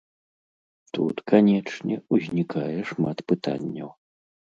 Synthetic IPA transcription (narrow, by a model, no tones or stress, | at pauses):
t̪ṵt̪kanʲɛt͡ʂnʲɛuzʲnʲikajɛʂmat̪pɨt̪a̰nʲːɐw